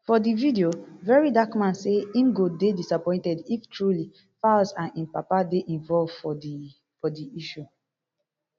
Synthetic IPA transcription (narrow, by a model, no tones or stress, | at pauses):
fɔdividiovɛɹidakmãnseĩnɡodedisapɔ̃ɪ̃ntɛdiftɹuli | fasãnĩnpapadeʔĩnvɔlvfɔ | fɔdiiʃu